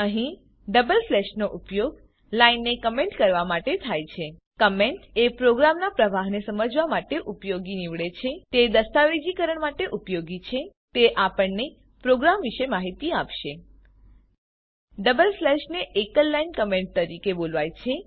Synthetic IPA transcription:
əɦĩ | ɖəbəlflɛʃnoʔupjoɡ | lainːekəmẽɳʈkəɾʋamaʈet̪ʰajt͡ʃʰe | kəmeɳʈepɾoɡɾamnapɾəʋaɦnesəməd͡ʒʋamaʈeʔupjoɡiniʋɭet͡ʃʰet̪ed̪əst̪aʋed͡ʒikəɾəɳmaʈeʔupjoɡit͡ʃʰet̪eʔapəɳne | pɾoɡɾamʋiʃemaɦit̪iapʃe | ɖəbəlflɛʃneʔekəlːainkəmẽɳʈ̚t̪əɾikebolʋajt͡ʃʰe

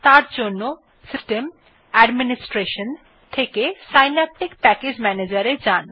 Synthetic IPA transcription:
t̪aɾd͡ʑonːo | sisʈem | ɛɖminisʈɾeʃon | t̪ʰekesajnɛp̚ʈikpɛked͡ʑmɛned͡ʑaɾeɾd͡ʑan

